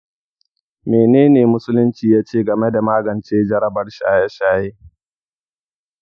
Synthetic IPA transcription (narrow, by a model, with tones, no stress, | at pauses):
meː˨neː˦neː˨mʊ˦sʊ˦lʊ˦nt͡ʃiː˨jaː˦t͡ʃeː˦˨ɡɐ˨me˦da˨maː˦ɡɐ˨nt͡ʃeː˦d͡ʒɐ˦ɾɐ˦bɐ˨rʃa̰ː˦ja˦ʃaː˦jeː˦